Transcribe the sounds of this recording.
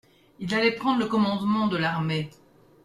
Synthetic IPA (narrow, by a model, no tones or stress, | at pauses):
ilalɛpχɑ̃d̪ʁləkɔmɑ̃d̪mɑ̃d̪əlaʁme